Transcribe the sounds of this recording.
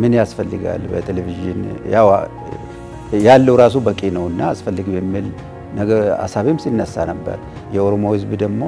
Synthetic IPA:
mɨnjasfəlːɨɡa̰lbət̪ʰeleviʒɪ̰njaw | jalːəwɾasubəkʼinəwɨnːaːsfəlːɨɡbɛmːil | nəɡəa̰saβimsinːəsːanəbːə̰ɾ | jɛoɾomo̞hɨzbd̪əɡmo̞

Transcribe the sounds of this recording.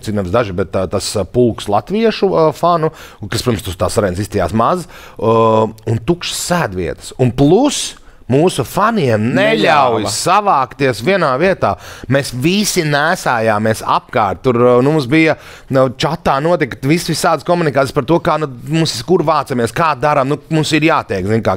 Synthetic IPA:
sit̪nɛvsd̪aʒibɛt̪ːt̪aspulˠkslˠat̪ʋiɛʃufanu | kaspiɾmst̪ust̪aːsaɾɛnsist̪ija̰ːsmaz | unt̪ukʃsːæːd̪ʋḭɛt̪ə̥sunplˠus | muːsufaniɛmnɛʎʲawjsaʋaːkt̪iɛsviɛnaːviɛt̪aːmeːsvisinæːsaːjaːmeɛsa̰p̚kaːɾt̪̚t̪uɾnumums̬bijɐ | nt͡ʃat̪ːaːnuɔt̪̬ik̪ʋisʋisaːd̪skɔmunikaːt̪ʲijspaɾt̪uɔkaːnumumsiskuɾʋaːt̪samiɛskaːd̪aɾamnumumsiɾjaːt̪ɛjkzinʲkaː

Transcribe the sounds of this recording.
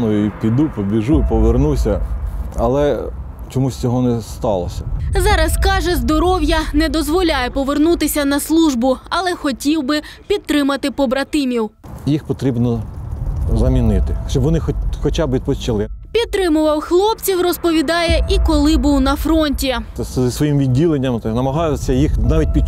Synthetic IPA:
nɔjʊipʲid̪upɔbʲiʒupɔʋernusʲɐɐ̰lˠɛ | t͡ʃɔmusʲt͡sʲɔɦɔnɛst̪ɑlˠɔ̰sʲɐzɑɾɐskɑʒɛzd̪ɔɾɔwjɐnɛd̪ɔzʋɔlʲajɛpɔʋernut̪ɪsʲɐnɐslˠuʒbʊɐlˠɛxɔtʲiwbɪpʲid̪̚t̪ɾɪmɐt̪ɪpɔbɾɐt̪ɪmʲiwjixpɔt̪ɾʲibnɔ | zɐmʲinɪt̪ɪʃt͡ʃɔbʋɔnɪxxɔt͡ʃabʋid̪̚pɔst͡ʃɪlˠɪpʲid̪̚t̪ɾɪmʊʋɐwxlˠɔp̚t͡sʲiwrɔspɔʋʲid̪ɑjɛʔikɔlˠɪbuwnɐfɾɔnʲtʲizisʋɔjimʋʲidʲːilˠenʲːɐmnɐmɐɦɑjɪsʲɐjixnɑʋʲit̚ʲpʲi

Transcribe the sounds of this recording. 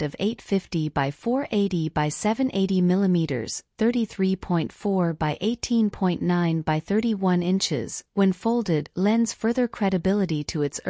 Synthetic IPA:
ɾʌveɪtfɪftibaɪfɔɹʔeɪɾibaɪsɛvɨ̃nʔeɪɾimɪlˠəmiɾə̰˞z̥θɜ˞ɾiθɹipʰɔ̃ɪ̃ntfɔɹbaɪʔeɪtʰĩnpʰɔ̃ɪ̃nʔːãɪ̃nbaɪθɜ˞ɾiwʌ̃nɪ̃nt͡ʃɪ̰z̥wɨ̃nfoʊlˠdɪdlɛ̃ndz̥fɜ˞ðə˞kʰɹ̥ɛɾɨbɪlˠəɾiɾəɨts

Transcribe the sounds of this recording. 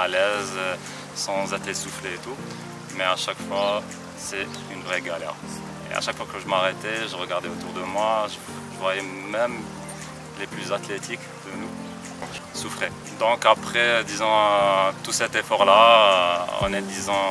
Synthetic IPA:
alɛz | sɑ̃zet̪esufleːt̪u | mɛaʃakfwa | sɛ | ynvʁɛɡalɛ̰ʁ | ḛa̰ʃakfwakəʒəmaʁɛt̪ɛʒəʁəɡaʁd̪ɛot̪uʁd̪əmwaʒə | ʒəvwajɛmɛm | leplyzat̪let̪ʰik | d̪̥ənu | sufχe | d̪ɔ̃kapχɛd̪izɑ̃t̪usɛt̪efɔʁla | ɔ̰̃nɛd̪izɑ̃

